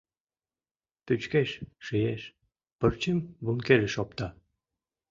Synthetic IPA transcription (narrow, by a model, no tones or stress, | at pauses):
t̪yt͡ɕkeʃʃijeʃ | pərt͡ɕemβunkeʒĕʃɔp̚t̪ɑ